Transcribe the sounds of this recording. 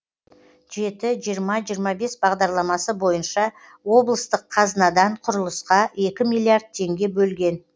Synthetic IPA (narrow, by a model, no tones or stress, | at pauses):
ʒ̥e̞t̪ɪʒijəɾmɑʒijəɾmɑbe̞sbɑʁd̪ɑɾlˠɑmɑsəbo̞jənʃɑ | wo̞blˠəst̪əqʰːɑznɑd̪ɑɴqʰʊɾəlˠəsqɑe̞kʲɪmijlˠijard̪̚t̪ʰe̞ŋɡʲe̞bɵlɡʲe̞n